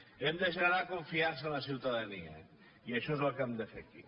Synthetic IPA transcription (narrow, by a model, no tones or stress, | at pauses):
emd̪əʃ̬ənəɾakuɱfiaɾs̬ənləs̬iwt̪əðənḭə̰ | iəʃɔezəlˠkemd̪əfḛkḭ